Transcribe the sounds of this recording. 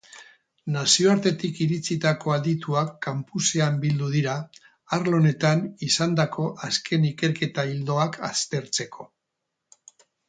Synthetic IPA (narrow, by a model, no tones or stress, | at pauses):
nasio̞aɾt̪e̞t̪ikiɾit͡sit̪ako̞aðit̪uakːampuse̞ambild̪uð̞iɾaː | ɾlo̞ne̞t̪anisand̪akʰo̞ʔaskʰe̞nike̞ɾke̞t̪aild̪o̞aka̰st̪e̞ɾt͡se̞kʰo̞